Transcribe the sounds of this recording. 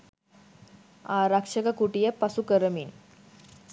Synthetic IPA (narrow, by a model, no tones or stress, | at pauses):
a̰ɾakʂəkakuʈijepasukəɾəmiːn